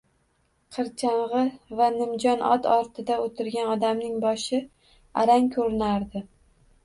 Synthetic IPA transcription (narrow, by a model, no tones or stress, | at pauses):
qʰɨɾt͡ʃʰaɴʁɨvanɪmd͡ʒɒnʔɒ̰t̪ɒɾt̪ʰɪd̪aot̪ʰɪɾɡʲanɒd̪amnɪŋbɒʃɪ | a̰ɾaŋkʲʰɵɾɪnaɾd̪ɪ